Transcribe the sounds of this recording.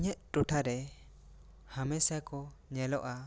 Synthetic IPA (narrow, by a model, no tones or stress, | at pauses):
ɲəʔ̪̚ʈɔʈʰaɾɛ | hamɛsakɔ | ɲɛlɔʔa